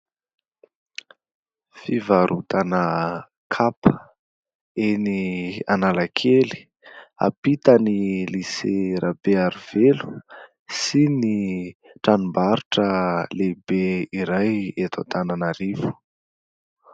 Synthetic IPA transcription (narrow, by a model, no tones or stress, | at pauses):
fivaɾut̪anə | kʰapə | enianalakʰeli̥ | a̰pit̪əniliseɾʔab̥eaɾiv̥elu̥ | sini | ʈ͡ʂanumbaɾuʈ͡ʂəlebeiɾajet̪ʰa̰t̪ananaɾivu̥